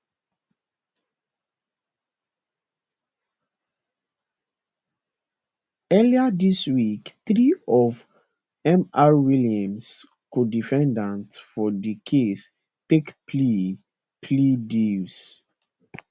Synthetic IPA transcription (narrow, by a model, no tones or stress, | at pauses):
ɛliadiswikθɹiɔv | ɛ̃mawiliãms | kodifɛ̃ndãntfɔdikʰes | tekpʰl | pʰlidis